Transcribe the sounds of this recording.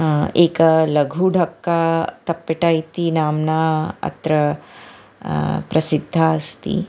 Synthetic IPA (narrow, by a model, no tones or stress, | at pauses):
eːkɐlɐɡʱuɖʱɐkːaːt̪ɐpːeʈaːjt̪inaːmnaːɐ̰t̪ɾɐ | pɾɐsid̪ʱːaɐst̪ḭ